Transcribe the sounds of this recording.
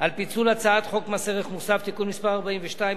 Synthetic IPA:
alpit͡sulat͡saat̪χo̞kmaseʁeχmusaft̪ikunmispaʁaʁbaimveʃtai

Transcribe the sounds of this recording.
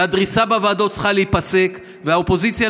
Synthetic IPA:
ad̪ʁisabavaːdo̞t͡sχaleipase̞k | veaopo̞zit͡sja

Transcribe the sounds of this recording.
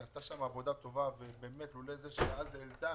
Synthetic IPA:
ast̪aʃamavo̞d̪at̪o̞vavebeːmet̪lulezeʃeazelt̪a

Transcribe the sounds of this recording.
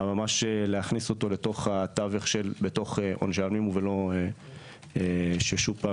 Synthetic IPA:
mamaʃeleaχniso̞t̪o̞le̞to̞χhat̪aveχʃelbeto̞χeʔo̰nʒalmimvelo̞e | eʃeʃupa

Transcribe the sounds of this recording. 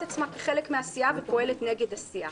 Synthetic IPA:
tat͡smakeχe̞lekmeasiavepo̞e̞le̞tneɡe̞dasia

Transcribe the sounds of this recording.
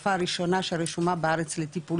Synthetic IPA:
faːɾiʃonaʃeaɾeʃumabeaɾet͡slet̪ipu

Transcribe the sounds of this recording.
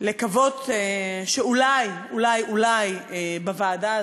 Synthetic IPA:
lekavo̞teʃeulaj | ulajulajbavaːda

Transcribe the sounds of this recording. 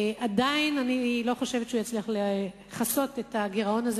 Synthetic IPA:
adainanilo̞χo̞ʃe̞vet̪t͡ʃeujat͡sliaχle | χaso̞tetaɡiʁao̞naz

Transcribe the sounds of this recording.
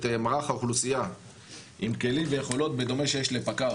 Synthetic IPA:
t̪maʁaχaoχlusija | ʔimke̞limvejeχo̞lo̞t̪be̞d̪o̞me̞ʃe̞jeʃlepaka

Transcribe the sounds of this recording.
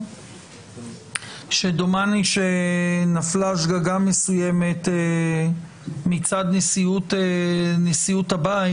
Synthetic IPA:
ʃed̪omaniʃenaflaʃ̬ɡaɡamesujeme̞t̪ | mit͡sad̪nesiut | nesiuthabai

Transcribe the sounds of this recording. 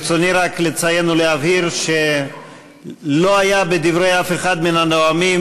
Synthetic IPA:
t͡soniɾaklet͡sajenuleaviɾʃe | lo̞ajabed̪ivɾe̞jafe̞χad̪minanoami

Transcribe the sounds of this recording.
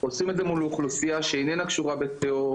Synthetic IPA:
osimetzemuluχlusiaʃeenɛnakʃuʁabet̪eo

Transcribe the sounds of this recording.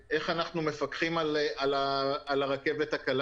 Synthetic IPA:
ʔe̞χanaχnume̞fakχimalalaːlaʁake̞vet̪hakal

